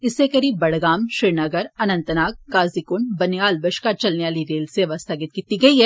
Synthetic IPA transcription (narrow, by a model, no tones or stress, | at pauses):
ɪsːekɐɾiːbbɐɽ̤ɡaːmʃɪɾnɐɡəɾɐnə̃nt̪naːk̚kaːzikʊɳbɐnjaːlbɐʃkat͡ʃɐlneʋaːliɾeːlseɐʋɐst̪ʰaɡɪt̪kiːt̪iɡɐiɦɛː